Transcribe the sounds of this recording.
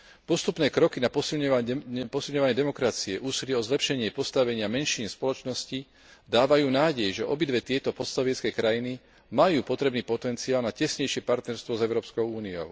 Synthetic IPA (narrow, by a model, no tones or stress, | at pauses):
pɔst̪upnɛːkɾɔkinapɔsilɲapɔsilɲɔʋaɲɪɛd̪ɛmɔkɾat͡siɛʔuːsiliɛɔzlɛpʃɛɲɪɛpɔst̪aʋɛɲɪamɛnʃiːnspɔlɔt͡ʃnɔsci | d̪aːʋajuːnaːɟɛjʒɛʔɔbid̪ʋɛt̪ɪɛt̪ɔpɔt̪st̪aʋɪɛt͡skɛkɾajini | majuːpɔt̪ɾɛbniːpɔt̪ɛnt͡siaːlnacɛsɲɛjʃɪɛpaɾt̪nɛɾst̪ʋɔzɛʊɾɔːpskɔʊuːniɔ̰ʊ